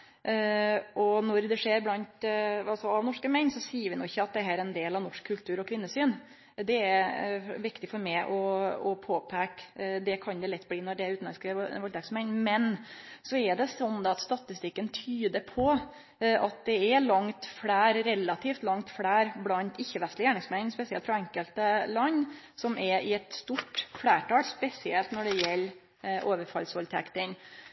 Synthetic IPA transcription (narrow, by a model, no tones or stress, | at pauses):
ʔɔnɔɾd̪ɛʂeːɾblɑnt̪ɑsɔɑʋnɔʂkəmɛɪnsɔsiːəɾʋɪnʊɪçːəɑt̪̚d̪ɛɦæːɾɛnd̪eːlɑʋnɔʂkʰːʉlt̪ʰʉːɾɔkʰʋɪnːəsyːn | d̪ɛæɾʋɪkt̪ɪfɔɾmæɪʔɔɔpʰoːpʰækd̪ɛkʰɑnd̪ɛlɛt̪ːbliːnɔɖɛæɾʉːt̪n̩ɛskəʋɑlt̪ɑksmɛɪnmɛnsɔɛɖɛsɔnd̪ɑɑt̪st̪ɑt̪ɪst̪ɪkːənt̪ʰyːd̪əɾpʰɔ | ʔɑt̪̚d̪ɛɛlɑŋt̪fɽæːɾɾɛlːɑt̪ʰiːft̪lɑŋt̪fɽæːɾblɑnt̪ɪçːəʋɛst̪lɪjæːɳɪŋsmɛnspɛsɪɛlt̪fɾɑɛŋkəlt̪əlɑnː | sɔmʔɛɾɪɛt̪st̪uʈflæːʈɑːlspɛsɪɛlt̪nɔɖɛjɛlː | ʔoːʋəɾfɑ̰lsʋɑlt̪ʰɛkt̪ɪn